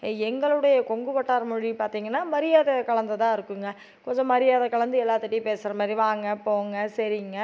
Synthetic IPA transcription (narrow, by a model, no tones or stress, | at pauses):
ɛŋɡɐɭɯɽɐjɐkɔŋɡɯpɐʈːaːɾɐmʊɻipaːɾt̪iːŋɡɐnːaːmɐɾɪjaːðɐkɐɭɐnd̪ɐt̪ãːɪɾɯkːɯŋɡɐ | kɔɲd͡ʒɔ̃mɐɾɪjaːðɐkɐɭɐnd̪ɯɛlːaːt̪ːɯʈːipeːsɪɾɐmaːd̪ɾiʋaːŋɡɐpoːŋɡɐsɐɾɪŋɡɐ